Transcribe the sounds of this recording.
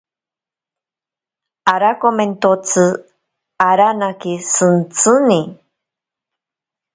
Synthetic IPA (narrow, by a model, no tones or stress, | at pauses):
aɾakoment̪ot͡sɨ | aɾanakisɨnt͡sɨni